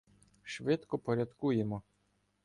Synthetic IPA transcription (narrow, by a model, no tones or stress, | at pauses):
ʃʋɪt̪kɔpɔɾʲɐd̪kujemɔ